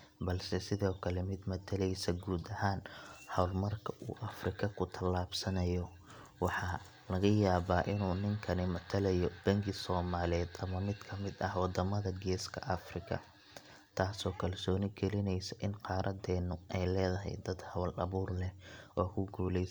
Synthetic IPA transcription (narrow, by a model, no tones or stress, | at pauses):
bɐlsɛsɪðɔːkʰɐlɛmɪd̪mɐt̪ʰɐlɛjsɐɡuːd̪ɐhaːnhɐwlmɐrkʰɐʔṵːʔɐfrɪkʰɐkʰʊt̪ʰɐlaːbsɐnɐjɔ | wɑħɑ | lɐɣɐjaːβaːʔɪnuːnɪŋkʰɐnɪmɐt̪ʰɐlɐjɔb̥ɐŋɡɪsɔːmaːlɛːd̪ɐmɐmɪd̪kʰɐmɪd̪ɐhwɑd̪ɐmɐðɐɡɛːskʰɐ̰ʔɐfrɪkʰɐ̰ | t̪ʰaːsɔːkʰɐlsɔːnɪɡɛlɪnɛjsɐʔɪnqɑːɾʔɐd̪ɛːnːʊʔɛjlɛːðɐɦɛ̰jd̪ɐd̪hɐwlɐ̰βuːrlɛʔɔːkʰʊɡuːlɛj